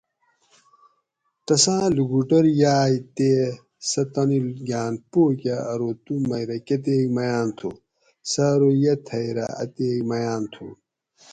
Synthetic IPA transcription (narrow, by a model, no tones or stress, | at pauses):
t̪ɐsãːluɡuʈɐɾjaːjt̪e | sɐt̪ɐnilɡaːnpoːkaɐɾot̪umɐjɾɐkɐt̪̬eːjmɐjaːnt̪ʰṵ | saɾojɐt̪ʰɐjɾa̰ɐ̰t̪eːjmɐjaːnt̪ʰu